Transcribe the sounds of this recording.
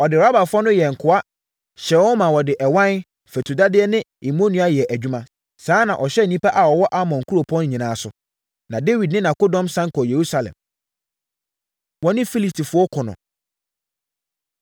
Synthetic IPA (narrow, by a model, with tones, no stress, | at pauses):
ɔ˨dɪ˨a˦ba˨fʊ˦ɔ˦nʊ̃˦jɛ˨ŋ̩˨kʰʊ˨a˦ | ɕɛ˨wɔ˦mã˨wɔ˨dɪ˨ʔɛ˨wã˦n | fɛ˨tʰu˨da˦dɪ˦ɛ˦nɪ̃˦i˨mõ˦nĩ˨a˦jɛ˨ʔæ˨d͡ʑᶣu˦mã˦ | saː˨˦nã˨ʔɔ˨ɕɛ˦˨nĩ˦pa˦ʔa˨wɔ˨wɔ˦ʔa˦mɔ̃˨ŋ̩˨kʰu˦ɾo˨pʰɔ̃˦n˦ɲĩ˨nãː˨˦sʊ˨ | nã˨de˦wi˨dnɪ̃˦nã˨ko˦dɔ̃˦msã˦ŋkʰɔ˨je˨ɾu˦sa˨lɛ̰̃˨m | wɔ˨nɪ̃˦fi˦li˦˨tʰi˨fʊ˦ɔ˦kʰʊ˨nʊ̰̃˨